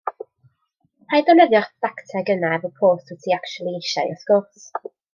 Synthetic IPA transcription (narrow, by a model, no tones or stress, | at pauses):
m̥ajdɔnɛðjɔrdaktʰɛɡənaɛvəpʰoːθwɛtʰiakt͡ʃulˠieʃajɔ̰skɔts